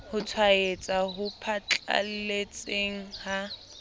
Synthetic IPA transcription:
hʊt͡sʰwaet͡sʼaɦʊpʰat͡ɬʼa̰l̩let͡sʼeŋ̩ha

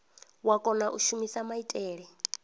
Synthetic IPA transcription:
wakʼɔnaʔuʃumisamaitʼɛːɺɛ

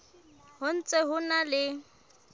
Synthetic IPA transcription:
hʊn̩t͡sʼeɦʊnalɪ

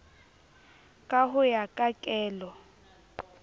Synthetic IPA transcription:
kʼaɦʊjakʼakʼɛːlɔ

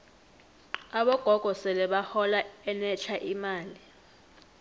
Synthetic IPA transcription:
aɓɔɡ̥ʱɔɡ̥ʱɔsɛlɛɓahɔlaɛnɛt͡ʃʰaʔimaːli

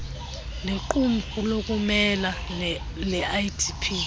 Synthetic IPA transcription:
leǃum̩fulokʼumɛla | lɛʔaitʰipʰi

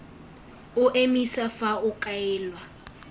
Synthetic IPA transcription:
ʊʔemisafaʊkʼaɛːlwa

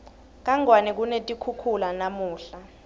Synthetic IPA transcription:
k̬aŋwanɛk̬unetʼikʰukʰulanamuːɬa

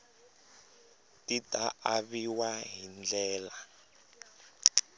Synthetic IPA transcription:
titʼaaβiwaɦind͡ɮɛːla

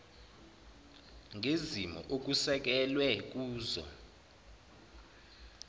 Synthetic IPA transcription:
ŋezimɔ̰ʔok̬usɛk̬ɛlwɛk̬uːzɔ̰

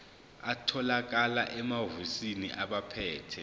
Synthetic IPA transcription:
atʰɔlak̬alaʔɛmavusiniʔaɓapʰɛːtʰɛ

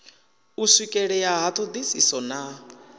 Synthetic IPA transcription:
usikʼɛɺɛjaɦat̪ʰɔd̪isisɔna

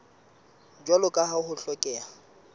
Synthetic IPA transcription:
d͡ʒwalʊkʼaɦahʊɬɔkʼɛːa

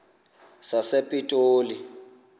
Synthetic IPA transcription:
sasepʼitʼoːli

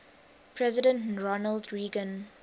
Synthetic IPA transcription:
pʰɹɛzɪdə̃ntɹɔnəldɹiːɡə̃n

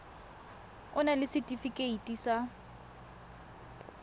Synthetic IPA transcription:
ʊnalɪsɪtʼifikʼeitʼisa

